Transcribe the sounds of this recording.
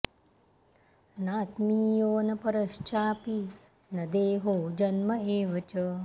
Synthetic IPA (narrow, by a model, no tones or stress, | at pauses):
naːt̪miːjoːnɐpɐɾɐʃt͡ʃaːpi | nɐd̪eːɦoːd͡ʒɐnmɐeːʋɐt͡ʃɐ